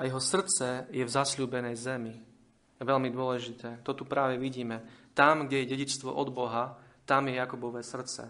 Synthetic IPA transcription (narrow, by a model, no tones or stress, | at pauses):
ʔajɛɦɔsr̩t͡sɛjɛvzaslʲuːbɛnɛjzɛmi | jɛʋɛlmid̪ʊɔlɛʒit̪ɛːt̪ɔt̪upɾaːʋɛʋiɟiːmɛt̪amɡɟɛjɛɟɛɟit͡ʃst̪ʋɔ̰ʔɔd̪bɔɦa | t̪amjɛjakubɔʋɛsr̩t͡sɛ̰